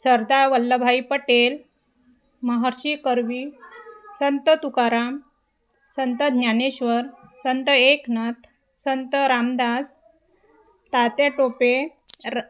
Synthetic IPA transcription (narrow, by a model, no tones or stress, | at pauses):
səɾd̪aʋəlːəbʱaipəʈel | məɦaɾɕikəɾʋi | sənt̪ət̪ukaɾam | sənt̪əɲjaneɕʋəɾsənt̪əeknət̪ʰ | sənt̪əɾamd̪as | t̪at̪eʈope